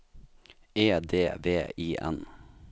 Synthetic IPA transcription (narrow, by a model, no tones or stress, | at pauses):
eːd̪eːʋeːiːʔɛ̰n